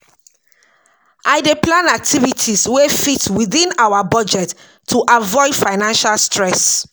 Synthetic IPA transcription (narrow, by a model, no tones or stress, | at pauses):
ʔaɪdeplãnak̚tʰivitʰiswefitwiðĩnawabɔd͡ʒɛtʰː | uʔavɔɪdfaɪnãnʃalstɹɛs